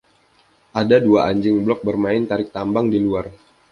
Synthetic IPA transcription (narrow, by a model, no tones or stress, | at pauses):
ʔadaduaʔaɲd͡ʒɪŋblɔk̚bərmaɪnt̪aɾɪk̚t̪ambaŋdiluar